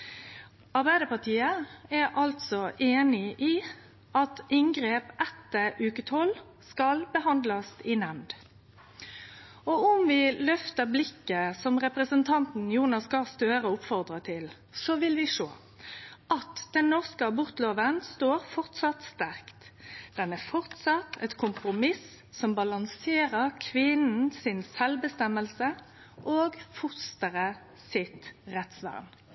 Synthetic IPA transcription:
ɑʁbæɪd̪əpɑʁt̪ʰiːəæʁʔɑlt̪sɔʔeːnɪʔiː | ɑt̪ɪŋɡɾeːpʔɛt̪ːəʔʉːkət̪ʰɔl | skɑlbəɦɑnd̪lɑsɪnɛmd̪ | ɔʊmʋɪlœft̪əʁblɪkːəsɔmʁɛpʁəsənt̪ʰɑnt̪n̩juːnɑskɑst̪øːɾəʊpfɔʁd̪ʁət̪ʰɪl | sɔʋɪlʋɪʂo̰ː | ʔɑt̪d̪̥ɛnːɔʁskəɑbʊʁt̪loːʋənst̪oːɾfɔʁt̪sɑt̪st̪æʁkt̪d̪̥ɛnæʁfɔʁt̪sɑt̪ʰɛt̪kʰʊmpɾʊmɪs | sɔmbɑlɑŋseːɾəʁkʰʋɪnn̩sɪnsɛlbəst̪ɛmːəlsə | ʔoːɡfʊst̪əʁə | sɪt̪ʁɛt̪sʋæ̰ʁn

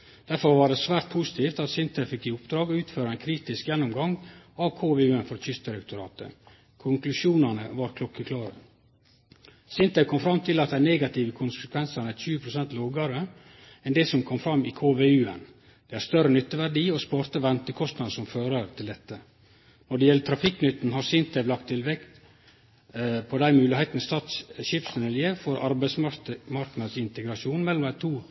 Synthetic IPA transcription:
d̪̥æɾfɔɾʋɑɖɛsʋæːɾt̪̚pʰusɪ̥t̪ʰiːft̪ɑt̪sɪnt̪ʰəfɪkːiːʊpd̪ɾɑːɡɔʉːt̪føːɾəæɪnkʰɾiːt̪ɪskjɛnːʊmɡɑŋɑʋkʰoːʋeːʉːənfɔɾtʰʏsd̪ɪɾɛkt̪ʊɾɑ̰ːt̪ə̰ | kʰʊŋklʉʃuːnɑnəʋɑɾkʰlʊkːəkʰlɑːɾə̰ | sɪnt̪əkʰɔmfɾɑmːt̪ʰɪlɑt̪d̪æneːɡɑt̪ʰiːʋəkʰʊnsəkʰʋɛnsɑnæçʉːəpʰɾʊsɛnt̪loːɡɑɾə | ɛnd̪ɛsɔmkʰɔmfɾɑmːɪkʰoːʋeːʉːɛ̰n | d̪̥ɛhæɾst̪œɾənʏt̪ːəʋæɖiːɔspɑɾt̪əʋɛnt̪əkʰɔst̪nɑd̪̩sɔmføːɾəɾt̪ʰɪld̪ɛt̪ːə | nɔɖɛjɛlːət̪ʰɾɑfɪkːnʏt̪ːn̩ɦɑɾsɪnt̪əʋlɑkt̪ʰːɪlʋɛkt̪ | pʰɔd̪æɪmʉːlɪheɪt̪n̩əst̪ɑːt̪sʃɪpsnɛljəfɔɾɑɾbæɪsmɑmɑɾknɑd̪sɪnt̪əɡɾɑʂuːnmɛlːɔmd̪æɪt̪ʰuː

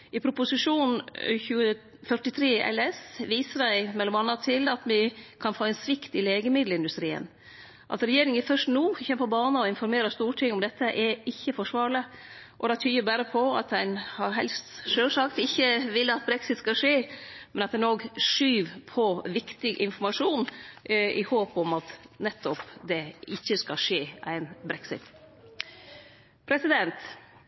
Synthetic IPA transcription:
ɪpʰɾʊpʊsɪʂuːnn̩çʉːə | fœʈɪt̪ʰɾeːʔɛ̰lːɛsʋiːsədæɪmɛlːɔmɑnːɑt̪ʰɪlɑt̪mɪkʰɑnfoːɛnsʋɪkt̪ɪleːɡəmɪd̪l̩ɪnd̪ʉst̪ɾḭːə̰n | ʔɑ̰t̪ɾɛjeːɾɪŋəfœʂt̪nuːçɛməpɔbɑːnəɔɪnfɔɾmeːɾəst̪uːʈʰɪŋːɔmd̪ɛt̪ːəʔɛɾɪçːəfɔʂʋɑːɾɭə | ʔɔd̪ɛt̪ʰyːəɾbæːɾəpʰɔɑ̰t̪æɪnhɑɾɦɛ̰lst̪ʂøːʂɑkt̪ɪçːəʋɪlːəɑt̪̚bɾɛksɪt̪skɑʂeː | mɛnɑt̪̚d̪ɛnoːɡʂyːʋpʰɔʋɪkt̪ɪɡʔɪnfɔɾmɑʂuːn | ɪhoːpɔmɑt̪nɛt̪ːɔpd̪ɛɪçːəskɑʂeːʔæ̰ɪnbɾɛksɪ̰t̪ | pʰɾɛsɪd̪ɛnt̪

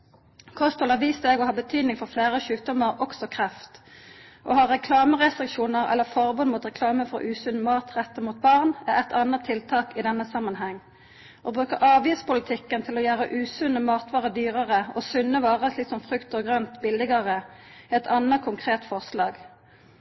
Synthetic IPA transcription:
kʰɔst̪ɔlɑʋiːst̪eːɡoːhɑːbət̪ʰyːd̪nɪŋfɔʁfleːʁəʃʉːt̪̚d̪ɔməʁɔksɔkʰʁɛft̪ʔo̰ːhɑːʁɛkʰlɑːməʁɛst̪ʁɪkʃuːnəʁɛ̰lːəfɔʁbʊnmuːt̪ʁɛkʰlɑːməfɔ̰ʔʉːsʉnmɑːt̪ʁɛt̪ːəmuːt̪̚bɑʁnæɛt̪ʰɑnət̪ʰɪlt̪ʰɑːkɪd̪ɛnːəsɑmːɑnɦɛŋː | ʔoːbʁʉːkəʁʔɑːʋjɪspʊlɪt̪ʰɪkːənt̪ʰɪloːjæːʁəʔʉːsʉnəmɑːt̪ʰʋɑːʁəd̪yːʁəʁəʔoːsʉnːəʋɑːʁəslɪksɔmfʁʉkt̪əɡʁœnt̪bɪlɪɡɑʁəɛt̪ʰɑnəkʰʊŋkʰʁeːt̪fɔʁslɑːɡ

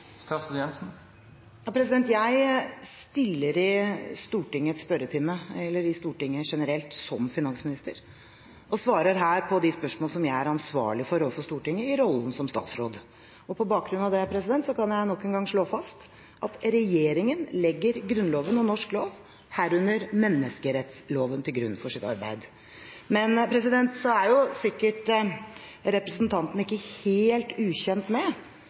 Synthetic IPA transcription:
kɑsjɛmsn̩ | jɑːpʰɾɛs̬ɪd̪ɛnt̪jæɪst̪ɪlːəɾɪst̪uːʈɪŋːəɛt̪spœɾət̪ʰɪməɛlːəɾɪst̪uːʈɪŋːəʂɛnəɾɛlt̪sɔmfɪnɑnsmɪnɪst̪əɾ | ʔɔsʋɑːɾəɾɦæːɾpʰɔd̪ɪspœʂmoːləsɔmjæɪæɾɑnsʋɑ̰ːɭɪfɔɾɔʋfɔʂst̪uːʈɪŋːəɪɾɔlːnsɔmst̪ɑ̰ːt̪sɾo̰ːd̪ | ɔpʰɔbɑːk̚ɡɾʉnɑʋd̪ɛæɾpʰɾɛsɪd̪ɛnt̪sɔkɑnjæɪnɔkːənɡɑŋʂɭoːfɑst̪ | ʔɑt̪ɾɛjeːɾɪŋənlɛɡːəɾɡɾʉnloːʋənɔnɔʂkloːʋ | hæɾʉnːəɾmɛnːəskəɾɛt̪sloːʋənt̪ʰɪlɡɾʉnfɔʂɪt̪ɑ̰ɾbæ̰ɪd̪ | mɛnpʰɾɛsɪd̪ɛnt̪sɔæɾjʊsɪkːəʈ | ɾɛpɾəsnt̪ʰɑnt̪n̩ɪkːəheːlt̪ʉːçɛnt̪mɛ

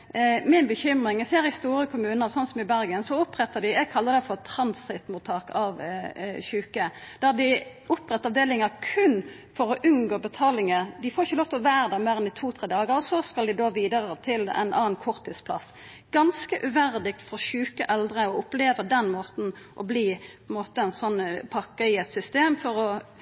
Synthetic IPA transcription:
mɪnbəçʏmʁɪŋɛseːɾɪst̪uːɾəkʰʊmʉːnəsɔnːsɔmɪbæɾɡənsɔʊpːʁɛt̪ːəd̪ɪɛɡkʰɑlːəd̪ɛfɔʁt̪ʰɾɑnsɪt̪mʊt̪ʰɑːkɑʋçʉːkəd̪̥æʁd̪ɪ | ʊpɾɛt̪ːɑʋd̪eːlɪŋəɾkʰʉn | fɔɾɔʔʉnɡoːbət̪ʰɑːlɪŋəd̪ɪfoːɾɪçəloːʋt̪ɔʋæːɾəd̪ɛmeːɾɛnd̪ɪt̪ʰuːt̪ʰɾeːd̪ɑːɡəɾɔsɔskɑld̪ɪd̪oːʋiːd̪əɾət̪ʰɪlɛ̰ɪnʔɑ̰ːnkʰʊɾt̪ʰːɪt̪spʰlɑ̰s | ɡ̥ɑnskəʔʉʋæɾd̪ɪk̚t̪fɔɾçʉːkəʔɛld̪ʁəɔʊpleːʋəd̪ɛnmoːt̪n̩ | ʔɔbliːpʰɛnmoːt̪əɛɪnsɔnːpʰɑkːəɪɛt̪sʏst̪eːmfɔɾɔ

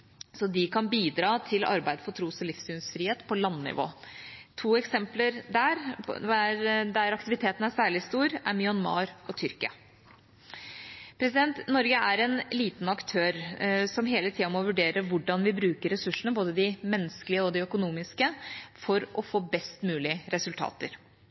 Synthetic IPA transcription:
sɔd̪ɪkʰɑnbiːd̪ɾɑːt̪ʰɪlɑ̰ɾbæɪd̪əfɔʈʰɾuːsɔlɪfsʉːnsfɾiːheːt̪pʰɔlɑnːɪ̰ʋo̰ːt̪ʰuːɛksɛmpləɾd̪æɾ̰æɾd̪æɾɑkt̪ɪʋɪt̪ʰeːt̪ən̩æsæːɭɪst̪uːɾæɾmʏɑnmɑ̰ːɾɔt̪ʰʏɾkɪɑ̰ | pʰɾɛsɪd̪ɛnt̪nɔɾɡəæɾɛnliːt̪nɑkt̪ʰøːɾsɔmɦeːlət̪ʰiːɑmɔʋʉɖeːɾəʋʊɖːɑnʋɪbɾʉːkəɾɛsʉʂːəɳəboːd̪əd̪ɪmɛnːəskəlɪəɔd̪ɪœkʊnuːmɪskəfɔɾɔfoːbɛst̪mʉːlɪəɾɛsʉlt̪ʰɑ̰ːt̪əɾ

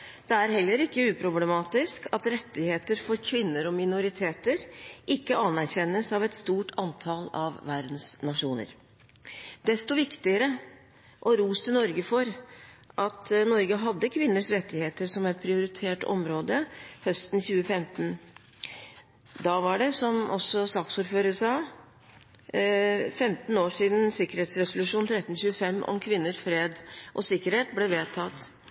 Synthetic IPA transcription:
d̪̥ɛæɾɦɛlːəɾɪkːəʉːpʰɾʊblɛmɑːt̪ɪskɑt̪ɾɛt̪ːɪheːt̪əɾfɔɾkʰʋɪnːəɾɔmɪnʊɾɪt̪ʰeːt̪əɾʔɪkːəɑnːæɾçɛnːəsɑʋɛt̪st̪uːʈʰɑnt̪ʰɑlɑ̰ʋʋæɾd̪n̩snɑʂuːnə̰ɾ | d̪̥ɛst̪ɔʋɪkt̪ɪəɾə | ʔɔɾuːst̪ənɔɾɡəfɔɾʔɑt̪nɔɾɡəɦɑd̪ːəkʰʋɪnːəʂɾɛt̪ːɪheːt̪əɾʂɔmɛt̪̚pʰɾɪʊɾɪt̪ʰeːʈɔ̰mɾoːd̪əhœst̪n̩çʉːəfɛmt̪n̩ | d̪ɑʋɑɖɛsɔmʔɔsːɔsɑːksuːɾføːɾəsɑː | fɛmt̪n̩oːʂiːd̪n̩sɪkəɾheːt̪sɾɛsʊlʉʂuːnt̪ʰɾɛt̪ːnçʉːəfɛmːʔɔ̰mkʰʋɪnːəʂfɾeːd̪ʔɔsɪkːəɾheːt̪̚blɛʋeːt̪ʰɑt̪ː

